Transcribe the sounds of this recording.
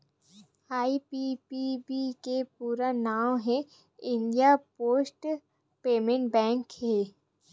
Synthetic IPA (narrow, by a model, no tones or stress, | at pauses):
aːipipibikepuːɾanaːmɦɛ̃ | ɪ̃nɖijapoːsʈ | peːmẽɳʈ̚bɛ̃ːŋkhe